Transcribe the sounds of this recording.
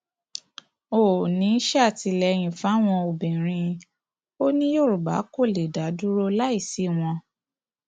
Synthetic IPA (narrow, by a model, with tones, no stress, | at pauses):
o˨nĩ˨˦ʃa˦a˦˨ti˧lɛ˧j̃ĩ˨fa˨˦w̃ɔ̃˧o˨bĩ˨ɾ̃ĩ˧ | o˦nĩ˦jo˦˨ɾu˨ba˨˦ko˦˨le˨da˨˦du˦ɾo˦la˦i˦˨si˨˦˨w̃ɔ̃˧